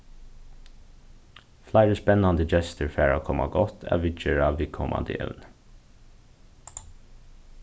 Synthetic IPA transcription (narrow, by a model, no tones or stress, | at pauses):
flæɪɹəspɛnɑnd̪əd͡ʒɛst̪əɹfɾæːɹoːkʰɔmɑɡɔt̪ʰæ̰ːʋɪt͡ʃəɹɑːʋɪkʰɔmʔɑ̰nd̪ɪ̰ɛ̰ln